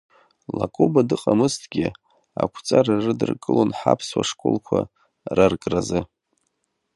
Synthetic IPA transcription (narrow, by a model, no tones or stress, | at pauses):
lakʼubadɨqʼamɨstʰɡʲɪ | akʷʰt͡sʼararɨdɨrkʼɨlonħapʰswaʂkʼolkʷʰa | rarkʼrazɨ